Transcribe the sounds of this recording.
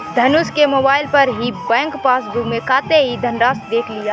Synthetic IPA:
d̪ʱənuskemoːbaːɪlpəɾɦibɛ̃ːŋkpaːsbʱumekaːt̪eɦid̪ʱənɾaːsd̪eːkʰlijaː

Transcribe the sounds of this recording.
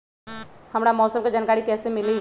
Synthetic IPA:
hɐmɽamɔːsəmked͡ʒaːnkaːɾikɛːsemɪli

